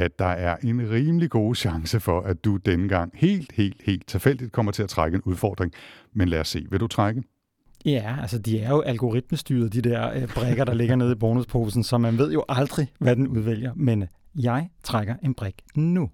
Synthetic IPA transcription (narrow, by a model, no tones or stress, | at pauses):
æd̥ɑ̈æɐʔe̝nʁiːməliɡ̥o̝ːɕɑ̈ŋsəfɒ̽ʔæd̥ud̥enəɡ̥ɑ̈ŋ̰he̝̰ːld̥he̝̰ːld̥he̝̰ːld̥̚t͡sʰe̝lfel̰d̥id̥̚kʰɒ̽m̰ɐt͡sʰe̝læt͡sʰʁaɡ̥əenuð̞ˠfɒ̰ːd̥ʁeŋmenlæɐsːe̝̰ːʋe̝ɾ̥ut͡sʰʁaɡ̥ə | jæælsəd̥iæɐjo̝ʔælɡ̥o̝ʁid̥̚məsd̥y̰ːɐðˠd̥id̥eɐ̰b̥ʁeɡ̥ɐɾ̥ɑ̈le̝ɡ̥ɐne̝ð̞ˠib̥ɒːnuspʰo̝ːsn̩sɒ̽mænʋe̝ð̞̰ˠjo̝ʔɑ̈ld̥ʁiʋæd̥enuðˠʋel̰jɐmenjɑ̈ɪt͡sʰʁaɡ̥ɐʔe̝nb̥ʁeɡ̥nu